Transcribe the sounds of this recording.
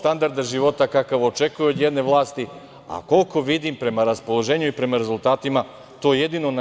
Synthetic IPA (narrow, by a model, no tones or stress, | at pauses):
t̪and̪aɾd̪aʒiʋo̞t̪akakaʋot͡ʃe̞kujuod̪je̞d̪ne̞ʋlˠaːst̪i | a̰ko̞lko̞ʋid̪impɾe̞maɾaspo̞lˠo̞ʒe̞ːɲuipɾe̞maɾe̞zult̪aːt̪ima | t̪o̞ːjed̪ino̞n